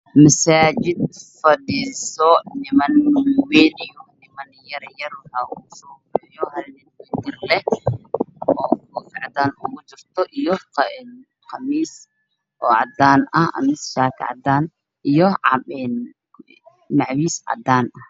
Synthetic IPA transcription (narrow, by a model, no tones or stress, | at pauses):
mɐsaːt͡ʃɪd̪̚fɐɗiːsɔnɪmɐnweːdijɔnɪmɐnjɐɾjɐɾɔhɐʊsɔːbʊjɔhɐlnɪd̪wɛd̪ɪrlɛh | ɔːʊfɪʕɑd̪aːnʊɣʊt͡ʃɪrt̪ʰɔʔijɔqːn | qʰɑmiːs | ʔɔːʔɑ̰d̪aːnɐhɐ̰miːsʃaːkʰʕɑ̰d̪aːn | ʔijɔʕɛn | nɑʕwiːsʕɐ̰d̪aːnɐh